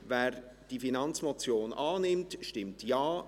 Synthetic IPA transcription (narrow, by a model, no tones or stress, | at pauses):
vɛːɾ | d̥ifinɑnt͡smɔt͡sjoːnʔɑːnɪmtʃtɪmtjaː